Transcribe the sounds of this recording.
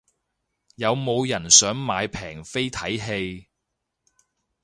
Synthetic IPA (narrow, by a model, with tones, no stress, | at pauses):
jɐ˨˧wmo˨˧wjɐ˨˩nsœː˨˥ŋmaː˨˧jpʰɛː˨˩ŋfe˥jt̪ʰɐ˨˥jɦe˧j